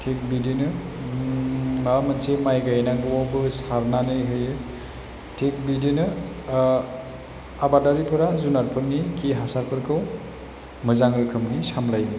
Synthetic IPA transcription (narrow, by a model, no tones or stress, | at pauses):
tʰek̚bidinɯ | mamansemajɡajnaɡwɔbɯsaɾnanɯjɦɯjɯ | tʰek̚bidinɯ | abadaɾipʰɯɾazunaɾpʰɯɾnikʰiɦasaɾpʰɯɾkʰɯw | mɯzaŋɾɯkʰɯmnisamlajɦɯj